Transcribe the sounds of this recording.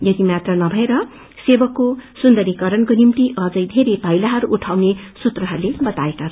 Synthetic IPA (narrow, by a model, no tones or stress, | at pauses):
jʌt̪imat̪rʌnʌbʱʌeɾʌ | sebʌkːosund̪ʌɾikʌɾʌnkonimt̪iʔʌd͡zʌjd̪ʱeɾejbʱʌjlaɦʌɾuʔːʈʰawnesut̪rʌɦʌrlebʌt̪aekat͡sʰ